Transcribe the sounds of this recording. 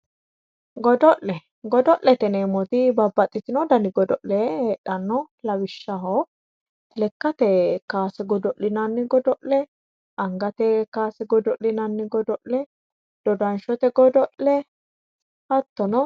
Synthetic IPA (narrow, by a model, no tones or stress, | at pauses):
ɡɔd̪ɔʔlɛ | ɡɔd̪ɔʔlɛt̪ɛneːmɔt̪ɪbɐbːɐt̪ʼːɪt̪ɪnɔd̪ɐnɪɡɔd̪ɔʔlɛheːɗːɐnːɔ | lɐwɪʃːɐɦɔ | lɛkːɐt̪ɛkaːsɛɡɔd̪ɔʔlɪnɐnːɪɡɔd̪ɔʔɛ | ɐŋɡɐt̪ɛkaːsɛɡɔd̪ɔʔlɪnɐnːɪɡɔd̪ɔʔlɛ | d̪̥ɔd̪ɐnʃɔt̪ɛɡɔd̪ɔʔlɛ | hɐt̪ːɔnɔ